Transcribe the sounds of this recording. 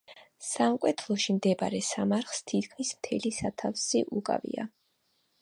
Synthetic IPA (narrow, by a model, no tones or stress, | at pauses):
samkʼwɛt̪ʰlˠɔʃimd̪ɛbaɾɛsamaɾχst̪ʰit̪ʰkʰmismt̪ʰɛlisat̪ʰafsiʔukʼa̰vḭa̰